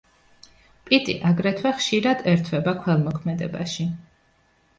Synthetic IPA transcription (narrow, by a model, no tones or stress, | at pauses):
pʼit̪ʼḭʔaɡɾɛt̪ʰwɛχʃiɾad̪̥ɛɾt̪ʰwɛbakʰwɛlˠmɔkʰmɛd̪ɛba̰ʃi